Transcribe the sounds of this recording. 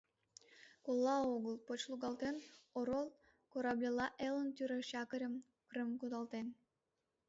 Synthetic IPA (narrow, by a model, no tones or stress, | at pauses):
kolˠːɑoɣəlˠpot͡ɕlˠuɣɑlˠt̪enoɾolˠ | koɾɑblʲelɑʔelənt̪ʲyɾəʃɑkəɾʲəm | krɨmkud̪ɑlˠt̪en